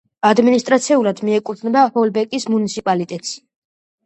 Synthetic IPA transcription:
ad̪minist̪ʼɾat̪sʰiulad̪miɛkʼut̪ʰnɛbahɔlbɛkʼismunit̪sʰipʼalit̪ʼɛt̪ʼʃi̥

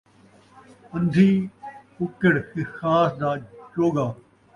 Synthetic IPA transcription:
ɐ̃nd̪ʱiːʊkɪɽhɪxaːsd̪aːd͡ʒoːɡaː

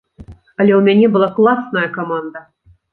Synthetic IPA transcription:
ɑlʲeumʲenʲebɨ̆lˠɑklˠɑsnəjəkomɑnd̪ə

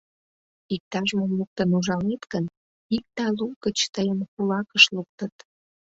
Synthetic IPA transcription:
ik̚t̪ɑʒmomluk̚t̪ənuʒɑlet̪kən | ik̚t̪ɑlukət͡ɕt̪əjənkulɑkəʃluk̚t̪ət̪

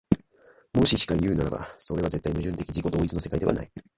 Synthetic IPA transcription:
mo̞ɕiɕi̥kaijɯ̟ːnaɾa̰ba̰so̞ɾe̞βaze̞t̪ːaimɯ̟ʑɨ̃nt̪e̞kʲid͡ʑiko̞d̪o̞ːit͡sɨno̞se̞kaid̪e̞a̰na̰i

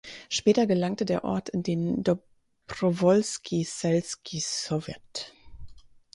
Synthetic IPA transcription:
ʃpɛːtɐɡəlaŋtədeːɐʔɔɐtʰɪndeːndɔ | pʁɔvɔlskʰisɛlskʰisɔvjɛ̰t

